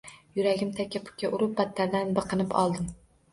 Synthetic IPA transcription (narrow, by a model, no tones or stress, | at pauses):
jʊɾaɡʲɪmt̪ʰakʲːapʰʊ̥kʲːaʔʊɾʊp̚bat̪ʰːaɾd̪anbɨqʰɨnɪpʰɒ̰lˠd̪ɪm